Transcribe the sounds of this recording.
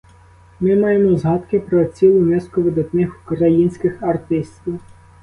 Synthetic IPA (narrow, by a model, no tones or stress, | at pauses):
mɪmɑjemɔzɦɑt̪kɪpɾɔt͡sʲilˠʊnɛskʊʋɪd̪ɐt̪nɪxu̥kɾɐjinʲsʲkɪxɐrt̪ɪsʲt̪ʲʋʲiw